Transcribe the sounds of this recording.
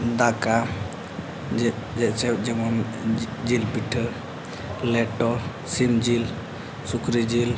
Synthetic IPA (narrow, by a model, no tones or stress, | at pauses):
d̪aka | d͡ʒɛʔt͡ʃɛd͡ʒɛmɔn | d͡ʒilbiʈʰə | lɛʈɔ | simd͡ʒil | sukɾid͡ʒil